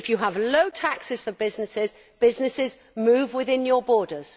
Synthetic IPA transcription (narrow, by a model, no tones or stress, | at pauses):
ɪfjəəvləʊtʰaksɪz̥fəbɪznɪsɪz | b̥ɪznɪsɪz | mʉːvwɪðɪ̃njəbɔːdəz̥